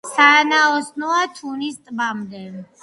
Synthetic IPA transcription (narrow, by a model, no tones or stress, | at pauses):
sanaɔsnɔat̪ʰunist̪ʼbamd̪ɛ